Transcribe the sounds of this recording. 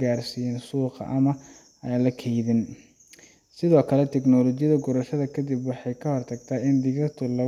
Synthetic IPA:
ɡaːrsijɛːnsuːqɑ̰ʔɐmɐ | aːnlɐkʰɛjðɪn | sɪðɔːkʰɐlɛt̪ʰɛknɔlɔt͡ʃɪjɐðɐɡʊɾɐʃɐðɐkʰɐd̪ibwɑħɑjkʰɐhɔrt̪ʰɐɡt̪ʰaːɪnd̪ɪɣɐt̪ʰʊlɐ

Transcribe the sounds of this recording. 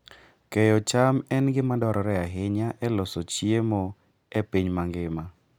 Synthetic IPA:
kejɔt͡ʃamɛnɡɪmadɔɾɔɾɛaɦɪɲaʔɛlɔsɔt͡ʃjemɔ | ɛpiɲmaŋɡɪma

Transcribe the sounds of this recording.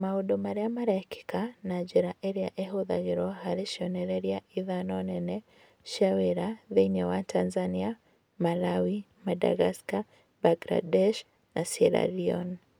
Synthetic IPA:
mauɗɔmaɾɛamaɾaɛki̥kanad͡ʒɛɾaʔɛɾiaʔɛɦoða̰ɣiɾɔhaɾiʃiɔnɛɾɛɾiaiðanɔnɛnɛ | ʃawɛɾaðɛɲɔwatʰanzania | malawi | mada̰ɣaska | baɡɾa̰dɛʃ | nʔasɛɾa̰ɾiɔ̰n

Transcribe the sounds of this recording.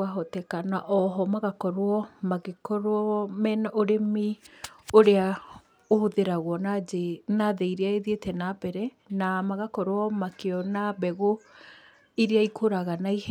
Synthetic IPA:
aɦɔtɛkanaʔɔɦɔmaɣakɔɾoɔmaɣekɔɾɔmɛnɔoɾemioɾea | ohoðeɾaɣwɔnaenaðɛiɾeaeðetɛnabɛɾɛ | namaɣakɔɾoɔmakeɔnabɛɣo | iɾeaikʰoɾaɣanaih

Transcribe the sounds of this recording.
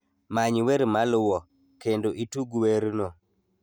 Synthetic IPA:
maɲweɾmalwɔ | kendoʔituɡweɾno

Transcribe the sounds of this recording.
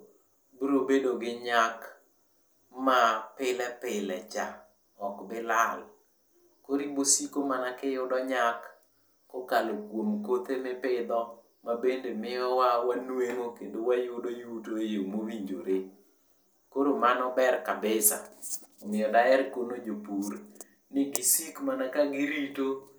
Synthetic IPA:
bɾobedoɡɪɲak | mapɪlɛpɪlɛt͡ʃa | ɔkbɪlal | koɾibosikomanakɪjʊdɔɲakː | okalokwomkot̪emɪpɪd̪ɔ | mabendemɪjɔwawanweŋokendowajudojutoejomowiɲd͡ʒoɾe | koɾomanɔbɛrkabɪsa̰mɪjɔdaɛɾkonod͡ʒopuɾ | nɪɡɪsikmanakaɡɪɾito

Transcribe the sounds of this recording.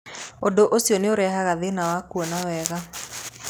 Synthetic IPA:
odoʔosiɔneoɾɛɦaɣaðenawakuɔnawɛɣa

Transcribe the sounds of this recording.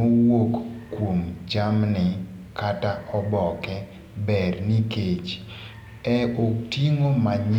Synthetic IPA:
owokkwomd͡ʒamnɪ | kataʔɔbɔkɛ | bɛrniket͡ʃ | ɛotiŋomaɲ

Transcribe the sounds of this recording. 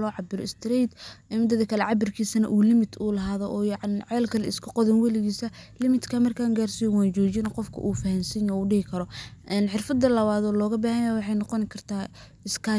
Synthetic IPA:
lɔːʕɑbɪɾɔ̰ɪst̪ɾit̪ʔɛmɪd̪ɐðɐkʰɐlɛʕɑbɪrkʰiːsɐnɐʔuːlɪmɪt̪ʰuːlɐɦaːðɔʔɔːjɑʕɑnʕɛːlkʰɐlɛɪskʰɐqɔðɪnwɐlɪɣiːsɐlɪmɪt̪kʰamɐrkʰaːŋɡaːrsijɔwaːnt͡ʃɔːt͡ʃɪnɐqɔfkʰɐ̰ʔuːfɐhɐnsɪnɔuːɖɪhɪkʰɐɾɔʔɛːnħɪrfɐd̪ːɐlɐβaːðɔːlɔːɣɐbaːhɐjajawɑħɑjnɔqɔnɪkʰɐrt̪ʰaː | ɪskʰa

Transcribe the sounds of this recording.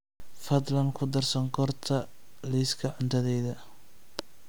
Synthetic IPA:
fɐd̪lɐnkʰʊd̪ɐrsɐŋɡʰɔrt̪ʰɐ | liskʰɐʕʊnt̪ʰɐðɛjðɐ

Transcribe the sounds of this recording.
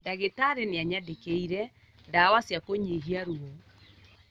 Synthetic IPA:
ndaɣetaɾeneaɲadekeiɾɛ | dawasjakoɲeɦiaɾuo

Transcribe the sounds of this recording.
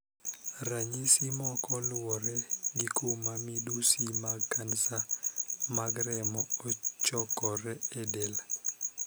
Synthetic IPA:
raɲisimɔkɔlwɔɾɛɡikʰomamidusimaɡkansa | maɡɾɛmɔɔt͡ʃɔkɔɾɛedel

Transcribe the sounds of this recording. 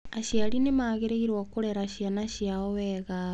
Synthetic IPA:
aɕjalinemaɣeɾeiɾwokuɾeɾaʃjanaʃjaoweɣa

